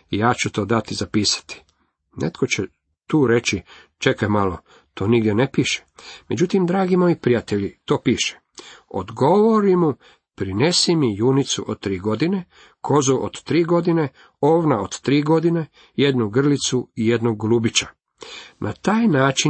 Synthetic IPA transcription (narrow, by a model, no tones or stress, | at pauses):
ijaːt͡ɕut̪o̞ːd̪at̪izapiːsḁt̪i̥ | nḛt̪ko̞t͡ɕe | t̪uːɾe̞t͡ɕit͡ʃe̞kajmalo̞ | t̪ʰo̞ːniɡd̪jenepiːʃe̥me̞d͡ʑut̪imd̪ɾaːɡimo̞jipɾijat̪e̞ʎit̪o̞ːpiːʃe̥ | o̰d̪ɡo̞ʋoɾimu | pɾine̞simijunit̪sṵʔo̰d̪̚t̪ɾiːɡo̞d̪ine̞ | kʰo̞zuʔod̪̥t̪ɾiːɡo̞d̪ine̞ | oːʋnaod̪̥t̪ɾiːɡo̞d̪ine̞ | jed̪nuɡr̩lit̪suije̞d̪noɡɡlubit͡ɕa | nʔat̪aːjnaːt͡ʃi